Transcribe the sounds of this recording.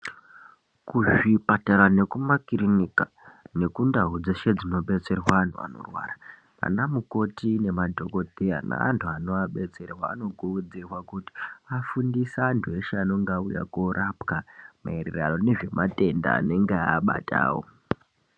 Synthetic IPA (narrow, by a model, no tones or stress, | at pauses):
kuʐipataɾane̞kumakirinika | ne̞kundaɦud͡zeʃed͡zino̞ɓe̞t͡se̞rwaan̤ua̰no̞̰rwa̰ra | ma̰namuko̞tine̞madʱo̞ko̞dʱea̰na̰a̰ntʰuano̞aɓe̞t͡se̞rwa̰ːno̞ɡʱuud͡zirwakuti̥afundisaːntʰueʃeano̞ŋɡauja̰korʔapkamaerḛraro̞neʐe̞mʔate̞nda̰ːne̞ŋɡeaːɓa̰tʰa̰ːwo̰